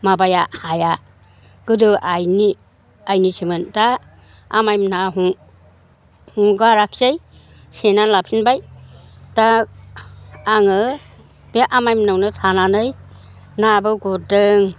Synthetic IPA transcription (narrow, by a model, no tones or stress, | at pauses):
mabajahaja | ɡ̥ɯdɯʔajni | ajnisimɯnta | amajmnaɦuŋ | huŋɡaɾak̚ʰsej | senalapʰinbajta | aŋɯ | b̥eʔamajmnɯwnɯtʰananɯj | nabɯɡɔdɯŋ